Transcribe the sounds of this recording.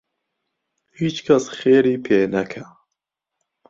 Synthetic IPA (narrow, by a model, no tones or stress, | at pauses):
hiːt͡ʃkʰɐsxeːɾiːpʰeːnɛkʰɛ